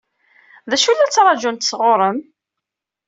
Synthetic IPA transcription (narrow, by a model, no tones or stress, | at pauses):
ðæʃulːæt͡sːɾˤɑd͡ʒunt̪sʁoɾˤəm